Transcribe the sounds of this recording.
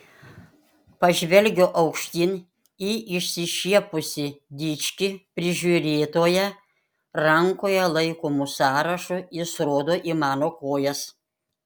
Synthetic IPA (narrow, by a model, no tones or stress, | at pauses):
pɐʒʲʋʲɛlʲɡʲoːʔɐʊkʃʲt̪ʲin | iːʔɪʃʲsʲɪʃʲiɛpʊsʲɪd̪ʲit͡ʃʲkʲɪpʲɾʲɪʒʲuːɾʲeːt̪oːjɛ | ɾɐŋkoːjɛlˠɐɪkoːmʊsɑːɾɐʃujɪsɾoːd̪oːʔimɑːnoːkoːjɛs